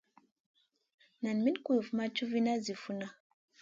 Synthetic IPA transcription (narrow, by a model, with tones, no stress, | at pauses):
na˨nmi˦nku˦ju˨fma˦t͡ʃu˦vi˦na˦zi˨fu˦na˦